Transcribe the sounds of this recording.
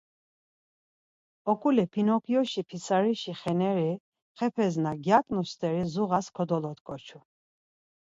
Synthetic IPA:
ɔkʼulɛpʰinɔpʰjɔʃipʰisaɾiʃiχɛnɛɾi | χɛpʰɛznaɡjakʼnust̪ʼɛɾizuɣaskʰɔd̪ɔlɔt̪kʼɔt͡ʃʰu

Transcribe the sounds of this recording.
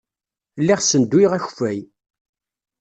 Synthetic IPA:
lːiʁsənd̪wiʁæçfæj

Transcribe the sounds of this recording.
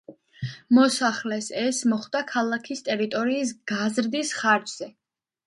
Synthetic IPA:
mɔsaχlɛsɛsmɔχd̪akʰalˠakʰist̪ʼɛɾit̪ʼɔɾiːs̬ɡ̥azɾd̪isχaɾd͡ʒz̥ɛ

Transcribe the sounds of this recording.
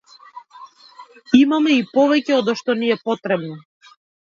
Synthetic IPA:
imamɛipɔvɛcɛɔd̪ɔʃt̪ɔniɛpɔt̪ɾɛbnɔ

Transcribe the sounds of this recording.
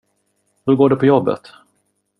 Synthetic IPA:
hɵɾɡoːɖɛpʰɔjɔbːə̰t̪

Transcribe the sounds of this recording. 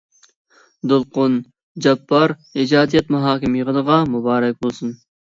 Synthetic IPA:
d̪ʊlˠqʊn | d͡ʒɛpːɑɾ | id͡ʒɑːd̪ijɛt̪muɦɑːkʲɪmjəʁənəʁɑmubɑːɾɛk̚ʲbolˠsun

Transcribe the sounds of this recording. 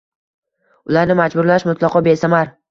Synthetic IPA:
ʊlaɾnɪmad͡ʒbʊɾlaʃmʊt̪lˠɒqʰɒbe̞samaɾ

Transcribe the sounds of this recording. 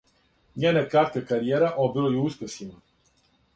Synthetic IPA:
ɲeːnakɾat̪̚kakaɾijeːɾaʔobilojuuspesʲina

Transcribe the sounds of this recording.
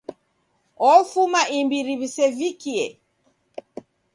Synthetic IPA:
ɔfumaimbiɾiβisɛvikiɛ

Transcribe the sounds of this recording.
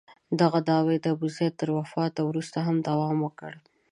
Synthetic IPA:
d̪aɣad̪ɑwed̪əbʊzjat̪ːəɾwafɑt̪awɾust̪aɦamd̪awɑmwəkəɽ

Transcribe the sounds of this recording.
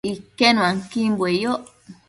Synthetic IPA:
ikenũãŋkimbwejoʔ

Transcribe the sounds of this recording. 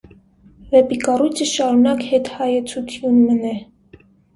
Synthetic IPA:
vɛpikɑrujt͡sʰəʃɑɾunɑkhɛt̪hɑjət͡sʰut̪ʰjunmənɛ

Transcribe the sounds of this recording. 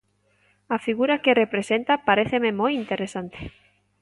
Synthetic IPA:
afiɣuɾakerepɾesent̪apaɾeθememojint̪eɾesant̪e̥

